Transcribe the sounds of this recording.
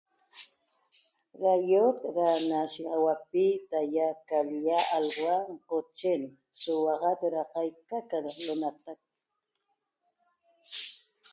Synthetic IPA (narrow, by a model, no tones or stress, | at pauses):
ɾajot̪ɾanaʃɑwapit̪ajakaljaʔalwaŋqot͡ʃen | sʊwɑʁɑt̪ɾɑqɑjkakad̪aqlonat̪ak̚